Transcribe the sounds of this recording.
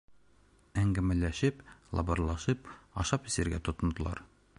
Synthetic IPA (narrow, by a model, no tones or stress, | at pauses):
æŋɡæmælæʃɘplˠɑ̰bɤ̆ɾlˠɑʃɤp̚ɒ̰ʃɑpisɘ̆ɾɡæt̪ŏt̪ŏnd̪ɤ̆lˠɑ̰ɾ